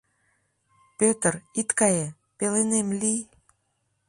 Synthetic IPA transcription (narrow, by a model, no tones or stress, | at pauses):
pøt̪ərit̪kɑje | pelenemlij